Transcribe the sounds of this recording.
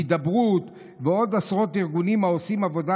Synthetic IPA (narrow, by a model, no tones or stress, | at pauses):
d̪abʁut̪ | veo̞d̪asʁo̞t̪iʁɡunimao̞simavo̞d̪a